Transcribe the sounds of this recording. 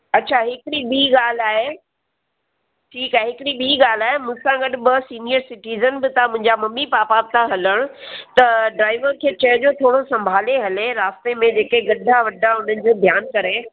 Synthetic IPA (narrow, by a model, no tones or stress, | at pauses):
ɐtːɕʰaɦɪkɪɽibiːɡaːl̤aːɦe | ʈʰiːkɛɦɪkɪɽibiːɡaːl̤aːɦemʊ̃sãɡɐɗʊ̆bɪsiːnijəɾsɪʈiːzənbɪt̪ʰãmʊ̃ɦɪ̃ɲd͡ʑamɐmːipaːpaːb̚t̪ʰãɦɐləɽ̃ʊt̪ɐɖɾaːɪʋəɾkʰeːt͡ɕɐːd͡ʑoːt̪ʰoːɽosɐ̃mbʱaːleɦɐleɾaːst̪emẽd͡ʑeːkeɡɐɖʱaʋɐɖʱaʊn̤ənɪ̆d͡ʑoːd̪ʱjaːnkɐɾe